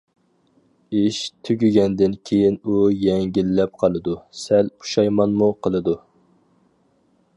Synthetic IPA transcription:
iʃt̪ʰyɡʲyɡʲɛnd̪ɪnkʲʰejinujɛŋɡʲilːɛp̚qʰɑlˠɨd̪usɛlpʰu̥ʃɑjmɑnmuqʰəlˠɨd̪u

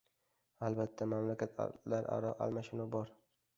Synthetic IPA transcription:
albat̪ʰːamamlakʲat̪ʰlaɾa̰ɾɒʔa̰lmaʃɪnɒbɒɾ

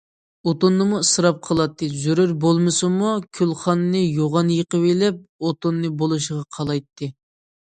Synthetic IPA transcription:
ot̪onːɨmusɨɾɑp̚qʰəlˠɑt̪ːɨzyɾyɾbolˠmɨsɨmukʲʰylˠχɑnːɨjoʁɑnjəqəwelɛp̚ot̪onːɨbolˠuʃəʁɑqʰɑlˠɑjt̪ʰːɨ

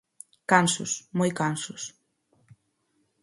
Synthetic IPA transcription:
kansʊsmojkansʊs

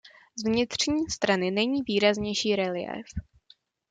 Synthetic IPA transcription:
zvɲɪt̪r̝̥ɲiːst̪ɾanɪnɛɲiːviːɾazɲɛjʃiːɾɛlɪɛ̰f

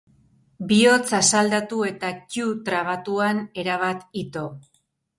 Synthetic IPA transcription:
bio̞t͡sasald̪at̪ue̞t̪akut̪ɾaβ̞at̪uane̞ɾaβ̞at̪it̪o̞

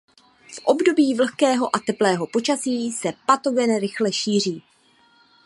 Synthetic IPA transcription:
fʔo̞bdo̞biːvl̩xkɛːɦo̞ʔat̪ɛplɛːɦo̞po̞t͡ʃasiːsɛpat̪o̞ɡɛnɾɪxlɛʃiːr̝iː

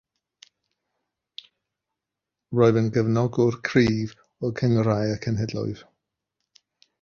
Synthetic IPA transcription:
roːɨðənɡəvnɔɡɔrkʰriːv | ɔkʰəŋrajəkʰənɦɛdlɔ̰ɨð̥

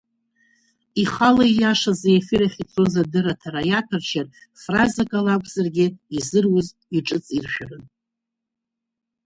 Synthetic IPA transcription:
iχalaijaʂazajafiɾaχʲit͡sʼo̞zadɨɾatʰaɾajatʰart͡ʃʰar | frazakʼalakʷʰʼzarɡʲɪizɨrwʊz | iʈ͡ʂʼɨt͡sʼirʃᶣarɨn

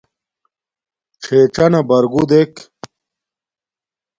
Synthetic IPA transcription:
t͡ɕʰeːt͡ɕɐnɐbɐɾɡud̪ek

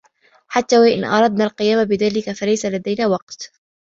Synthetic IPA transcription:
ħat̪ːaːwaʔɪ̰nʔɑ̰ɾˤɑd̪̚naːlqɨjaːmabɪðaːlɪkafalajsalad̪ajnaːwɑq̚t̪

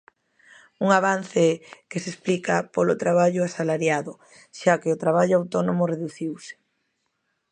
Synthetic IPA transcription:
uŋaβ̞an̟θeɛkesesplikapolʊt̪ɾaβ̞aʎʊasalaɾjaðʊ | ʃakeʊt̪ɾaβ̞aʎʊawt̪onomʊreðuθiwsɪ̥

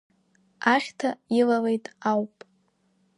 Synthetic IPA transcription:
aχʲtʰailale̞jtʼawpʼ

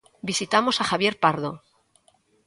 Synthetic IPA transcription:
bisit̪amo̞saxaβ̞je̞ɾpaɾðo

